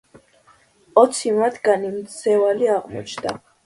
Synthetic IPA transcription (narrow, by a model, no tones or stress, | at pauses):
ɔt̪sʰimat̪ʰɡanimt̪sɛvaliaʁmɔ̰t͡ʃʰnd̪a̰